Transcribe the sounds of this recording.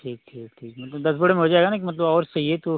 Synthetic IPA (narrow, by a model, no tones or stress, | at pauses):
ʈʰiːk̚ʈʈʰiːkʈʰiːkmɐt̪ləbd̪ɐsbəɽemẽɦod͡ʒaːeɡanak̬imɐt̪̬ləbɔːɾsɐɦiɦet̪o